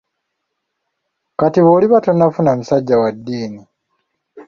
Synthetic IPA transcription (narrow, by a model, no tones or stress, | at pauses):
katiβoːliβatonafunamusaɟːawadːiːni